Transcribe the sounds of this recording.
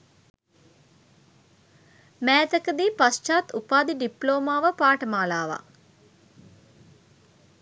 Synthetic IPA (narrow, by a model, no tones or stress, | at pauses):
mæːt̪əkəd̪iːpast͡ʃaːt̪upaːd̪iɖiploːmaːʋəpaːʈəmaːlaːʋa̰